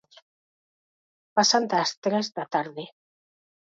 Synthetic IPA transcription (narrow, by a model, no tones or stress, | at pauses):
pasand̪ast̪ɾezðat̪aɾðe